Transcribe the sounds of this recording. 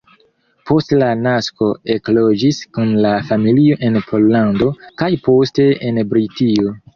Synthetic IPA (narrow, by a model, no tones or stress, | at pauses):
po̞stlanasko̞e̞klo̞d͡ʒiskunlafamilio̞ʔe̞npʰo̞lːando̞kajpo̞ste̞enbɾitio